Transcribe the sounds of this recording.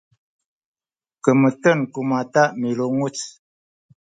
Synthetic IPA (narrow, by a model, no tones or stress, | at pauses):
kəmətənkumataʔmiloŋut͡s